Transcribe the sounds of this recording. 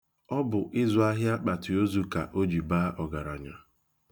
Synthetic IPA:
ɔ˦bʊ˨ʔɪ˦zʊ˨a˦ɦja˦k͡pa˨ti˨o˦zu˨ka̰˨ʔo˦d͡ʒi˨baː˦ʔɔ˨ɡa˨ɾa̰˨ɲa˨

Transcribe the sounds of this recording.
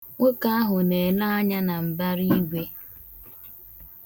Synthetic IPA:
ŋʷo˦ka˦a˦ɦʊ˨ne˨la˦a˦ɲa˦na˨m̩˨ba˦ɾi˦ɡʷe˦

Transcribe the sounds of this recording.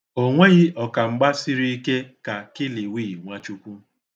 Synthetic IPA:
o˦ŋʷe˦ɣɪ˦ɔ˨ka˨ŋ͡m̩˦ɡ͡ba˦si˦ɾi˦i˦ke˦ka˨kɪ˦li˨wiː˦˨ŋʷa˦t͡ʃu˦kʷu˦

